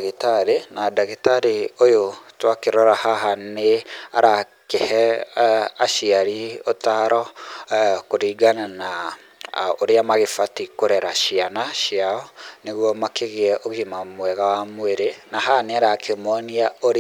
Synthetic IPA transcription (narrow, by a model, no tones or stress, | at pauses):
ɣetaɾenadaɣitaɾeojotwakeɾɔɾahaɦaneaɾa | kehɛ | aʃiaɾiotaɾɔ | koɾiːɡanana | oɾeamaɣefatikoɾɛɾaʃianaʃiaɔneɣwɔmakeɣeɛʔoɣimamwɛɣawamweɾenaɦaneaɾakʰemɔniaoɾ